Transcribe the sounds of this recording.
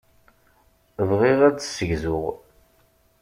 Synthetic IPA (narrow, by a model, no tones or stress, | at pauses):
vʁiʁæt͡sːsəʝzʊʁ